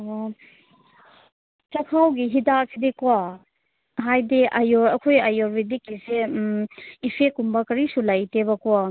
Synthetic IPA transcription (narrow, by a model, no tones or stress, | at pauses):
t͡ʃɐkʰawɡiɦidasidika | ɦajdiʔajɔɾɐkʰojajɔɾbidikːise | ipʰekumbɐkɐɾisulajtebɐkua